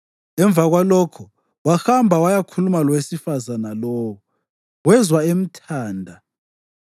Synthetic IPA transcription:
ɛɱb̪vʱaɣwalɔkʰɔ | waxambʱawajakʰulumalɔwesifazanalɔːwɔ | wɛzwaem̩tʰaːndʱa

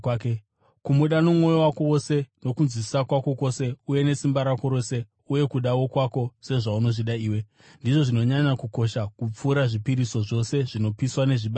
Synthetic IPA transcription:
kumuɗanomŋo̞jo̞wakowose̞no̞kunzwisakwako̞ko̞se̞uje̞ne̞simbaɾako̞ɾo̞se̞ | uje̞kuɗawo̞kwako̞se̞ʐauno̞ʐiɗaiːwe̞ | ndiʐo̞ʐino̞ɲaɲakuko̞ʃakup͡fuːɾaʐipiɾiso̞ʐo̞se̞ʐino̞piswane̞ʐiɓa

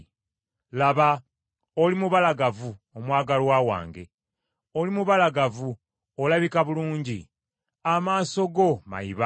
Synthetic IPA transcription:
laβa | olimuβalaɡavuomwaːɡalwaːwa̰ːŋɡe̞̰ | o̞limuβalaɡavu | olaβikaβuluːɲɟi | amaːso̞ɡo̞ma̰iβa

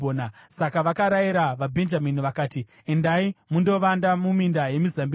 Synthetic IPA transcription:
oːnasakaʋakaɾajiɾaʋabʱe̞nd͡ʒaminiʋakaːti | endaimundo̞ʋandamumindaje̞mizambi

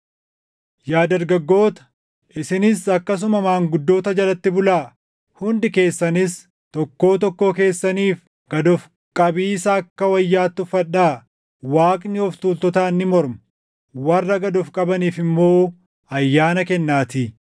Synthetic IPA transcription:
jaːd̪ɐɾɡɐɡːo̞ːt̪ɐ̥ | ʔɪsɪnɪsɐkːɐs̬ʊmɐmaːŋɡʊd̪ːo̞ːt̪ɐd͡ʒɐlɐt̪ːɪbʊlaː | hʊnd̪ɪke̞ːsːɐnɪs | t̪ɔkːo̞ːt̪ɔkːo̞ːke̞ːsːɐniːf | ɡ̥ɐd̪ɔf | kʼɐbiːsɐːkːɐwɐjːaːt̪ːʊfɐᶑːaː | waːkʼnɪɔft̪uːlt̪ɔt̪aːnːɪmɔɾmɐ | wɐrːɐɡɐd̪ɔfkʼɐbɐniːfɪmːo̞ː | ɐjːaːnɐkɛnːaːt̪ɪ

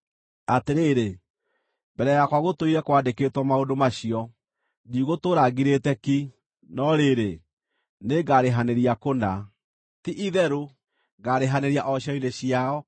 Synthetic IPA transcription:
ateɾeːɾe | mbɛɾɛjakwaɣotoiɾɛkwadeketwɔmaodomaɕiɔ | diɣotoɾaɣiɾetɛki | nɔɾeɾe | neɡaɾeɦaneɾiakona | tiʔiðɛɾo | ɡaɾeɦaneɾiaʔɔɕaineɕiaɔ

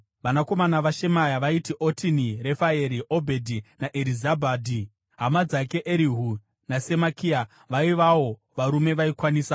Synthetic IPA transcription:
ʋanako̞manaʋaʃe̞majaʋaitiʔo̞tinire̞faeɾiʔobʱe̞dʱinaʔeɾizabʱaːdʱi | ɦamad͡zake̞ʔeɾiɦu | nasemakʰia | ʋaiʋawo̞ | ʋaɾume̞ʋaikwaniːsa

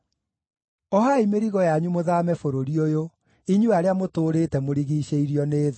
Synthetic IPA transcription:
ɔɦaimeɾiɣɔjaɲumoðaːmɛfoɾoɾiojo | iɲuaɾeamotoːɾetɛmoɾiɣiːɕeiɾiɔneːð

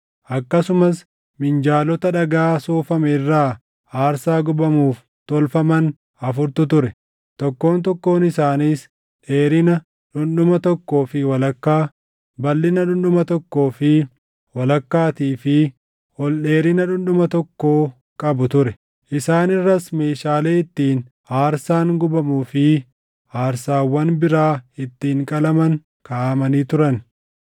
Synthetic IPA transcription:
ʔɐkːɐsʊmɐs | mɪnd͡ʒaːlɔt̪ɐᶑɐɡaːsoːfɐmɛrːaː | aːɾsaːɡʊbɐmuːf | t̪ɔlfɐmɐn | ɐfʊɾt̪ʊt̪ʊɾɛ | t̪ɔkːo̞ːnt̪ɔkːo̞ːnɪsaːniːs | ᶑe̞ːɾɪnɐ | ᶑʊnᶑʊmɐt̪ɔkːo̞ːfɪwɐlɐkːaː | bɐlːɪnɐᶑʊnɗʊmɐt̪ɔkːo̞ːfɪ | wɐlɐkːaːt̪iːfɪ | ɔlᶑe̞ːɾɪnɐᶑʊnɗʊmɐt̪ɔkːo̞ː | kʼɐbʊt̪ʊɾɛ | ʔɪsaːnɪrːɐsme̞ːʃaːle̞ːɪt̪ːiːn | aːɾsaːŋɡʊbɐmuːfɪ | haːɾsaːwːɐnbɪɾaːɪt̪ːiːŋkʼɐlɐmɐŋ | kaːmɐniːt̪ʊɾɐn

